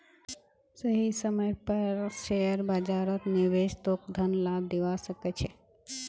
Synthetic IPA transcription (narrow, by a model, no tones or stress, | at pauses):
səɦisəməjpəɾʃeəɾbəd͡ʒaɾət̪niʋeʃt̪ok̚d̪ʱənlad̪eʋasəket͡ʃʰe